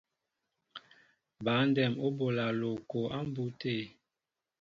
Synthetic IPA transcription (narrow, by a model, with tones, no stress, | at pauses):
ba˨˦n˦dɛ˨mo˦bo˨la˨lo˨ko˨a˦m˦bu˦te˦˨